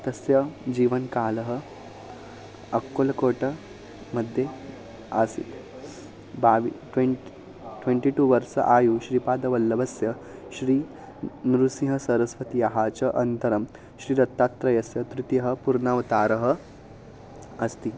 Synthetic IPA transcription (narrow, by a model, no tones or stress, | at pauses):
t̪ɐsjɐd͡ʑiːʋənkaːlɐɦə | ɐkːolɐkoːʈə | mɐd̪ʱːje | a̰sḭt̪ | baʋiʈʋe | ʈʋeɳʈiʈuːʋɐɾsɐ̰ʔajuːɕɾiːpaːd̪ɐʋɐlːɐbɐsjɐ | ɕɾiː | nɾusĩɦɐsɐɾɐsʋɐt̪iɐɦat͡ɕɐʔɐnt̪ɐɾɐm | ɕɾiːɾɐt̪ːat̪ːɾɐjɐsjɐt̪ɾut̪ijɐɦə̆puɾnaʋt̪aːɾəɦə | ɐst̪iː